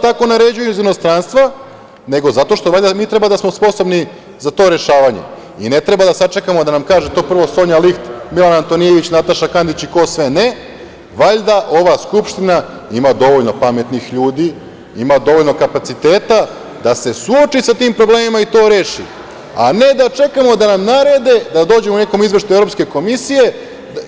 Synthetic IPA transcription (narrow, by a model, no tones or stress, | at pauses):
t̪ako̞naɾe̞d͡ʑujezino̞st̪ɾanst̪ʋa | ne̞ɡo̞zat̪o̞ʃt̪oʋaʎʲd̪amiːt̪ɾe̞bad̪asmo̞spo̞so̞bni | zat̪o̞ːɾe̞ʃaːʋaɲe̞̰ | ine̞t̪ɾe̞bad̪asat͡ʃekamo̞d̪anamkaːʒet̪o̞ːpr̩ʋo̞so̞ɲalixt̪milanaːnt̪o̞nije̞ʋit͡ɕnat̪aʃakand̪it͡ɕikoːsʋe̞ne | ʋaʎd̪aʔo̞ʋaskupʃt̪ina | imad̪o̞ʋo̞ʎnopame̞t̪nixʎuːd̪i | imad̪o̞ʋo̞ʎʲno̞kapat̪sit̪e̞ːt̪a | d̪ase̞suot͡ʃisat̪iːmpɾo̞bleːmimait̪o̞ːɾe̞ːʃḭ | a̰ne̞d̪at͡ʃe̞kamo̞d̪anamnaɾed̪e̞d̪ad̪o̞ːd͡ʑe̞moune̞komizʋeʃt̪ueɾo̞pske̞ko̞misije̞